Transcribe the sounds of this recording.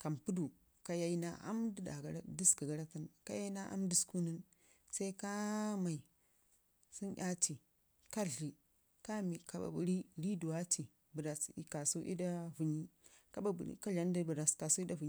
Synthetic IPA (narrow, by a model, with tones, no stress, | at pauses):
ka˨mpu˦du˨ | ka˦ja˦i˦na˦a̰˦mdi˦da̰˨ɡa˦ɾa˦di˦ski˨ɡa˨ɾa˦ta˦nka˦ja˦i˦na˦ʔa̰˦mdi˦sku˦nə˦n | sa˦i˦ka˦ma˨i˨ | si˦nʔʲa˦ti˨ | ka˦ɮi˨ | ka˦mi˨ka˨ba̰˨bu˨˦ɾi˦ɾi˦du˨wa˦tʰi˨ | bu˨da˨sḭ˨ka˨su˦ʔḭ˦da˦vu˨ɲi˦ka˦ba˨bṵ˨ɾḭ˦ka˦ɮa˨˦n˦di˦bu˨ɾa˨ska˨su˦i˦da˦vu˨ɲ˦